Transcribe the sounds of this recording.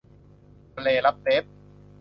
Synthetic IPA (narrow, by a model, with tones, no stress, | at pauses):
leː˧˩la˦˥p̚t̪e˦˥p̚